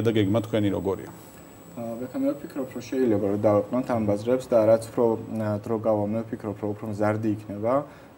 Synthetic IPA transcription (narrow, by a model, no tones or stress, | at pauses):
d̪aɡɛɡmat̪kʰwɛniɾɔ̰ɡɔɾḭa | vɛk̪ʰamiɾɛfpʰikʰɾɔpʰɾɔʃɛilɛbaɾɔd̪avɛqʼnɔnt̪ʰambazɾɛpsd̪aɾat̪sʰu̥pʰɾɔd̪ɾɔɡavamnɛfpʰikʰɾɔpʰɾɔupʰɾɔmzaɾd̪iːkʰnɛba